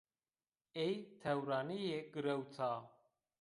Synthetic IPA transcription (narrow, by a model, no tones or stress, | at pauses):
ejt̪ʰɐwɾaːnijeɡɨɾəwt͡sʰaː